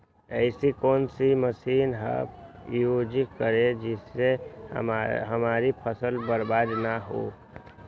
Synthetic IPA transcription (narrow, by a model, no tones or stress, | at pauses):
əɪsikoːnsiməsinɦə̰bjod͡ʒikkəɾed͡ʒisːe | ɦəmaɾipʰəsəlbəɾbad̪naɦo̰